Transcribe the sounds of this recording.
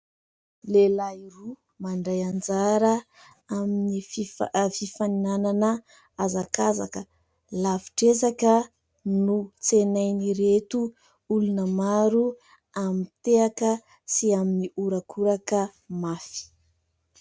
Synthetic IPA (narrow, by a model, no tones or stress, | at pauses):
lelairu | maɳɖ͡ʐajand͡zaɾə | aminiififaninananə | azakaza̰kə | lavi̥ʈ͡ʂezakə | nut͡senajniɾet̪u | ulunəmaɾu | amit̪eakə | siaminiuɾakʰuɾakə | mafi̥